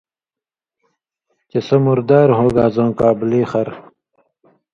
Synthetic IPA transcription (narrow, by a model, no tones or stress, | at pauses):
t͡ɕesɐmuɾd̪aːɾɦoːɡaːzõːkaːbliːxɐɾ